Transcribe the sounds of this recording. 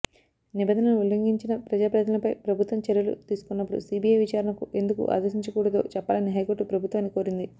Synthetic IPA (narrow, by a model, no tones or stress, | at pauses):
nibɛnɐnɐnuulːɐŋɡiɲt͡ʃinɐpɾɐd͡ʒaːpɾɐd̪ɐlɐnɐpɐjpɾɐbʱut̪ʋɐmt͡ʃɛɾijɐlṵt̪iːsu̥kunːɐpːuɽṵsiːbiːjɐjʋit͡ʃaːɾɐɳnɐkuʔe̞nd̪ukṵʔa̰ːd̪ɐsiɲt͡ʃɐkuːɽɐt̪o̞̰ːt͡ʃɛpːaːlɐniɦɐjkoʈːupɾɐbʱut̪ʋaːnːiko̞ːɾind̪i